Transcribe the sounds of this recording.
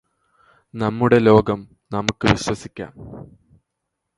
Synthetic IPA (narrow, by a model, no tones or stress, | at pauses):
nɐmːuɽe̞lo̞ːɡɐm | nɐmukːɨʋiɕwɐsikʲːa̰ːm